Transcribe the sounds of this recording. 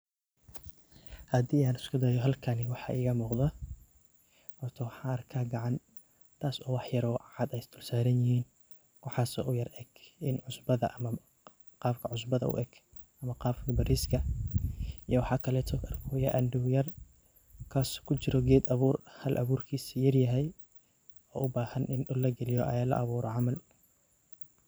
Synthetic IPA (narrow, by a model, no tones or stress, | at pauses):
hɐd̪iːaːnɪskʰʊd̪ɐjɔɦɐlkʰɐnɪwɑħɑːʔɪːɣɐmuːqd̪ɐ | hɔrt̪ʰɔwɑħɑːɐrkʰaːɡɑʕɑn | t̪ʰaːsɔːwɑħjɐɾɔʔɑʕɑd̪ɛjst̪ʰʊlsaːɾɐnjɪhiːn | wɑħɑːsɔ̰ʔʊjɐrɛɡʔɪnʕʊsbɐðɐ̰ʔɐmɐ | qɑːbkʰɐʕʊsbɐðɐʔʊ̰ʔɛɡ̥ | ʔɐmɐqɑːbkʰɐbɐɾiskʰɐ | ijɔwɑħɑːkʰɐlɛːt̪ʰɔɐrkʰɔːjɐʔɐnd̪ʊwjɐr | kʰaːskʰʊt͡ʃɪɾɔɡɛːd̪ɐβuːrhɐlʔɐ̰βuːrkʰiːsjɐrjɐɦɛj | ɔːʔʊbaːhɐnʔɪnɗʊlːɐɡɛlɪjɔʔɐ̰jaːlɐ̰ʔɐβuːɾɔʕɑmɐl